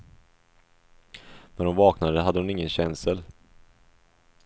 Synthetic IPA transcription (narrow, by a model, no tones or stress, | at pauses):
nɛnhʊnvɑːknad̪əɦad̪ːəhʊnɪŋːənɕɛnsəl